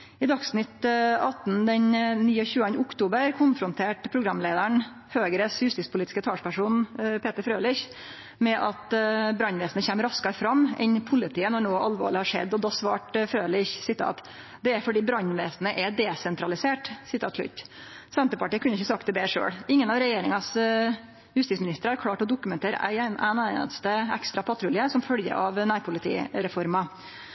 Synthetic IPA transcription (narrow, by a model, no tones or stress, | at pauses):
ɪd̪ɑksnɪt̪ɑt̪n̩d̪ɛnniːɔçʉːənəʊkt̪uːbəɾkʰʊnfɾʊnt̪ʰeːʈpʰɾʊɡɾɑmːleːd̪əɳ | høːɡɾəshʉst̪ɪspʊliːt̪ɪ̥skət̪ʰɑːʂpæʂuːnpʰeːt̪əɾfɾøːlɪç | mɛʔɑt̪bɾɑnʋeːsn̩əçɛːmɾɑskɑɾfɾɑmːɛ̰npʰʊlɪt̪ʰiːənɔɳoːʔɑlʋo̰ːɭɪhɑʂɛ̰d̪ːɔd̪ɑːsʋɑ̰ːʈfɾøːlɪçsɪt̪ʰɑ̰ːt̪ | d̪ɛæɾfɔɖiːbɾɑnʋeːsnəʔɛd̪ɛsɛnt̪ɾɑlɪseːʈsɪt̪ʰɑːt̪slʉ̰t̪ː | sɛnt̪əpɑʈiːəkʉnəɪçːəsɑk̚t̪̚ɛbeːʂø̰ːɽɪŋːənɑʋɾɛjeːɾɪŋɑs | jʉst̪iːtsmɪnɪst̪əɾəhɑɾkʰlɑːʈɔd̪ʊkʉmɛnt̪ʰeːɾə̰ʔæ̰ɪʔæ̰næ̰t̪st̪əɛ̰kst̪ɾɑpʰɑt̪ʰɾʊljəsɔmfœljə̰ɾɑʋnæːɾpʰʊlɪt̪ʰḭːɾɛfɔɾmɑ